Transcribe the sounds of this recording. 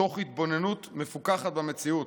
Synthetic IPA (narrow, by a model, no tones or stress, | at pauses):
o̞χhit̪̚bo̞ne̞nut̪me̞fukaχat̪̚bamet͡siut